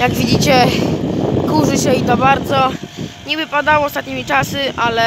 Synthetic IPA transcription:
jaɡvʲid͡ʑit͡ɕɛ | kuʐɘɕɛit̪ɔbaɾd̪zɔɲivɘpad̪awɔːst̪at̪ɲimʲit͡ʂasɨʔalɛ

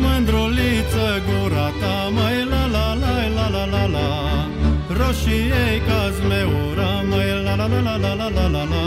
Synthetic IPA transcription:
mɨnd̪ɾolit͡səɡuɾat̪aməjlalalajlalalala | ɾoʃiejkazmeoɾa | məjlaalalalalalalala

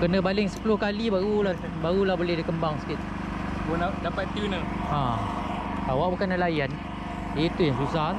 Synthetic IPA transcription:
kənə̃balɪŋsə̥pulʊhkalibaɣula | baɾulahbolehdikəmbaŋsə̥kit̪ | bonadapat̪t̪iunəã | k̪awaʔbukandalajan | dəit̪ujaŋsusa

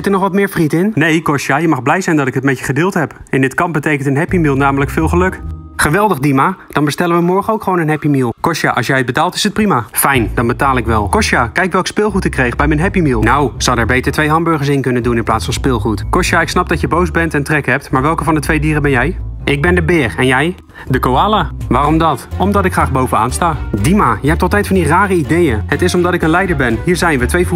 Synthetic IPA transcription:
zɪtəɹnɔχʋɑtmɪːɹfritɪnnejkɔʃjaːjəmɑχblɛjzɛjndɑtɪkɦətmɛə̥χədɪːlˠtɦɛp | ɪndɪtkɑmp̚bətejkəntənɦɛpimilˠnaːmələkfɪːlˠχəlɵkχəʋɛlˠdəχdimad̥ɑnbəstɛlənʋəmɔɹχənowkχʋownənɦɛpimilˠkɔʃa̰ʔɑ̰sjɛjəd̚bətaːlˠtɪ̥sət̚primafɛjnd̥ɑnbətaːlˠɪkʋɛlˠkɔʃjaːkɛjkʋɛlˠkə̥spɪːlˠχutɪkːrejχbɛjmənɦɛpimilˠnawsɔwdɛɹbejtəɹtʋejɦɑnbɵɹχəɹs̬ɪnkɵnəndunɪnplaːtsfɑnspɪːlˠχutkɔʃjaːɪksnɑp̚dɑtjəbowzbɛntɛntrɛkɦɛp̚tmaːɹʋɛlˠkəvɑndətʋejdiːrəbɛnjɛjʔɪɡ̚bɛndəbɪːrɛnjɛj | dəkowaːlaʋaːrɔmdɑtɔmdɑtɪkχraːχbowvəa̰ːnstaːdimaːjəɦɛp̚tɔlˠtɛjtfɑndiraːrəidejəɦətɪsɔmdɑtɪkənlɛjdəɹbɛnɦiːɹzɛjnʋətʋejvu

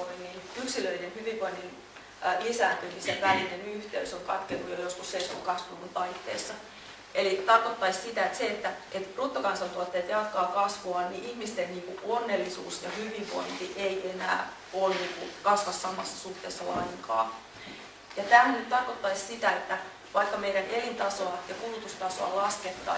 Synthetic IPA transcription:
inːinyksilølnenhyʋiʋʋoinːin | lisæːnt̪yniseʋʋælinenyht̪eysoŋkɑt̪kenːujojoskusːeiso̰kɑsʋunːunt̪ɑit̪ːḛːsːɑ | ʔelit̪ɑrkot̪ːɑissit̪æet̪seet̪ːæʔet̪rut̪ːokɑnsɑnt̪uot̪ːeːt̪jɑt̪kɑːkɑsʋoɑnniʔihmist̪enniːkuʔonːelːisṵːsjɑhyʋiʋʋo̰int̪iʔeienæ̰ː | olniːŋkukɑsʋɑssɑmɑsːɑ̥suht̪eːsːɑlɑiŋkɑ̰ː | jɑt̪æhænyt̪t̪ɑrkot̪ːɑissit̪æet̪ːæ | ʋɑikːɑmeiɾænʔelint̪ɑsoɑjɑkulut̪ust̪ɑso̰ɑ̰lɑsket̪ːɑ̰ː

